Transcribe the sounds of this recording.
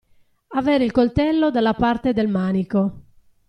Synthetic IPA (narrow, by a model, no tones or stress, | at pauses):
avɛːɾeilkolt̪ɛlːod̪alːapart̪ed̪ɛlmaːniko